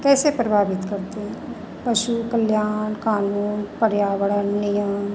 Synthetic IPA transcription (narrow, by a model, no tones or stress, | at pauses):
kɛːsepɾəbʱaːbɪt̪kɐɾt̪eɦɛ̃ | pɐʃukɐljaːnkaːnuːnpɐɾjaːʋəɽənːɪjəm